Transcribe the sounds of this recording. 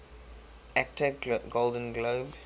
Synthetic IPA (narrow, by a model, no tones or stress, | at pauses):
æk̚təɡolˠdə̃nɡloːb